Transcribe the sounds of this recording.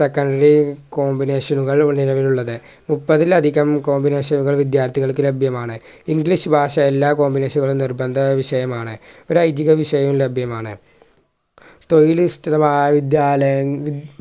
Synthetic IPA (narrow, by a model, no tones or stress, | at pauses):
sekːɐɳɖɐɾikoːmbine̞ːʂɐnuɣɐɭuɳniɾɐʋiluɭːɐðɨ | mupːɐðilɐd̪ʱiɣɐmko̞ːmbine̞ːʂɐnuɣɐɭʋid̪jaːrt̪ʰiɣɐɭkːɨlebʱjɐmaːɳɨ | iŋɡliʂɨbʱaːʂɐelːaːko̞ːmbine̞ːʂɐnuɣɐɭumnirbɐnd̪ʱɐʋiʂɐjɐmaːɳɨo̞ɾɐjd͡ʑiɣɐʋiʂɐjɐmlebʱjɐmaːɳɨ̰ | t̪ojilistiðɐmaːjɐʋid̪jaːlɐjɐi